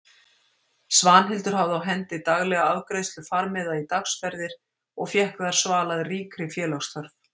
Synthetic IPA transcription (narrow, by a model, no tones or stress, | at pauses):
svaːnɦɪlt̪ʏɾ̥hawðawɦɛnt̪ɪt̪aɣlɛɣaawkɾejst̪lʏfaɾmɛðait̪aksfɛɾðɪɾ̥ | ɔɣfjɛhkðaɾ̥svaːlaðriːkɾɪfjɛːlawst̪ʰœɾv